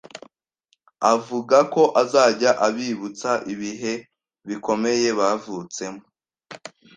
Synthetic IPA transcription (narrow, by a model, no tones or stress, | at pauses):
avuɡako̞ʔazaːɟaʔaβiːβut͡saʔiβiɦe̞ | βiko̞me̞je̞βavut͡se̞mo